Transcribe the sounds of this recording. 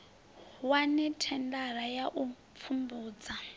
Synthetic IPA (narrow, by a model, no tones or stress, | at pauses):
wanɛtʰɛndaɾajaʔup̪fʰumbuːd͡za